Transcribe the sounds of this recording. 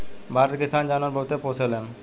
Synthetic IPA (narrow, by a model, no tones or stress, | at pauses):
baɾeɾkisand͡ʑanaɾbʱot̪eposʰelen